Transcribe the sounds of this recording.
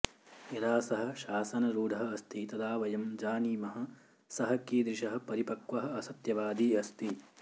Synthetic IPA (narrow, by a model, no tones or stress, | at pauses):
jɐd̪aːsɐɦɐ̆ʃaːsɐnɐɾuːɖ̪ʱɐɦɐɐst̪it̪ɐd̪aːʋɐjɐmd͡ʒaːniːmɐɦɐ̆ | sɐɦɐ̆kiːd̪ɾiʃɐɦɐ̆pɐɾipɐkʋɐɦɐ̆ɐsɐt̪jɐʋaːd̪iːɐst̪i